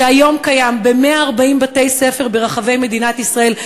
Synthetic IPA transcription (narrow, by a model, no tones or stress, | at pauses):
eajo̞mkajambe̞meaːʁbaimbat̪e̞jsefe̞ʁbeʁaχave̞jme̞d̪inat̪isʁae̞l